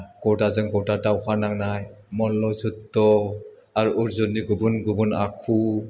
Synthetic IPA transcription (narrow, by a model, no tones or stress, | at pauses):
ɡ̥ɔwtazɯŋɡɔwtataukʰanaŋnajmɔlːɔzutːɔ | aɾuuɾzɔniɡubunɡubunakʰu